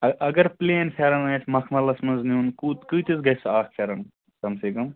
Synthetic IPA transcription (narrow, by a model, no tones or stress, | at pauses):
ɐɐɡɐɾpleːnpʰʲeɾɐnaːjt̪ʰmɐkʰmɐlɐsmɐnznuːnkut̪kɨjt̪izɡɐjsaːk̚ʰpʰeɾɐn | kɐmsiːkɐm